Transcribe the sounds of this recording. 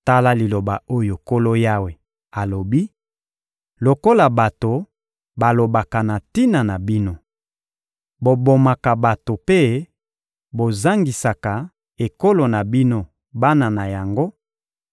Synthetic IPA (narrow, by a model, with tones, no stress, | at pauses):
ta˦la˦li˨lo˨ba˨o˦jo˨ko˦lo˦ja˦we˨ | a˨lo˨bi˦ | lo˨ko˦la˨ba˨to˨ | ba˨lo˨ba˨ka˨na˨ti˦na˨na˨bi˦no˦ | bo˨bo˨ma˨ka˨ba˨to˨pe˦ | bo˨za˦ŋɡi˨sa˨ka˨ | e˨ko˦lo˨na˨bi˦no˦ | ba˦na˨na˨ja˨ŋɡo˦